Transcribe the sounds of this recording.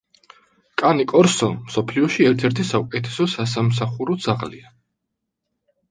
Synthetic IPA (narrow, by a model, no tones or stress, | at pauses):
kʼanikʼɔɾsɔmsɔpʰliɔʃiɛɾt̪ʰɛɾt̪ʰisaukʼɛt̪ʰɛ̥sɔsas̬ams̬aχuɾɔd̪z̥aʁlḭa